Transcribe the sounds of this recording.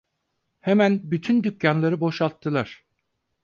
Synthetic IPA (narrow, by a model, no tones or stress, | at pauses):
hemænbyt̪ʰynd̪ycjanlˠaɾɯbo̞ʃalˠt̪ʰːɯlˠaɾ̥